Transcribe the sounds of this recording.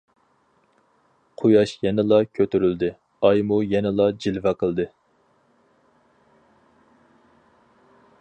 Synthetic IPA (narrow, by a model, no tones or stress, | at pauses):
qʰujɑʃjɛnɪlˠɑkʲʰøt̪yɾyld̪ɪ | ɑjmujɛnɪlˠɑd͡ʒilvɛqʰəlˠd̪ɨ